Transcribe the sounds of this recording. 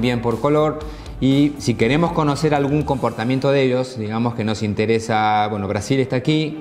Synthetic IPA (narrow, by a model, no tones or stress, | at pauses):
bje̞mpo̞ɾko̞loɾ | isike̞ɾe̞mo̞sko̞no̞se̞ɾalɣuŋko̞mpo̞ɾt̪amjent̪oðeʒo̞sd̪iɣamoske̞no̞sint̪eɾesaβwenoβ̞ɾasilest̪aːki